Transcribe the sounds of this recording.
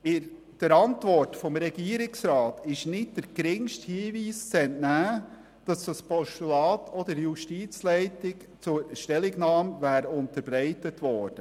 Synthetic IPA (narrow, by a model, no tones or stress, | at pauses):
ɪ | d̥əɾɑntʋɔrtfɔmɾɛɡiːəɾɪksɾɑːtɪʃnɪt̚d̥əɾɡ̥ɾɪŋʃthiːviːst͡sɛntnæː | d̥ɑsd̥ɑspɔʃtulɑːtʰɔd̪əɾjuʃtiːt͡slɛɪtɪk | t͡sʊɾʃtɛlɪɡnɑːmvæːɾʊntəɾb̥ɾɛɪtətʋɔːɾd̥ə